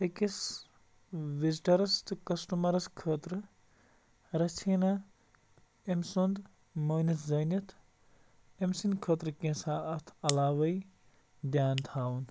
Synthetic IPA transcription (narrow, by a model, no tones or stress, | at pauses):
ekis | ʋiziʈɐɾɐst̪ɨkɐsʈumɐɾɐskʰəːt̪ɾɨ | ɾɐt͡ʃʰiːna | emsond̪ | mɐːnɐt̪ʰzɐnɐt̪ʰ | emsinkʰət̪ɾkẽsaːt̪ʰɐlaːʋɐj | d̪jaːnt̪ʰaːwun